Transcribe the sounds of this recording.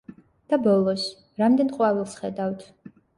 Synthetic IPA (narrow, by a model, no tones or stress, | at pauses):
d̪̥abɔlˠɔs | ɾamd̪ɛnqʼwavɛlˠsχɛd̪awt̪ʰ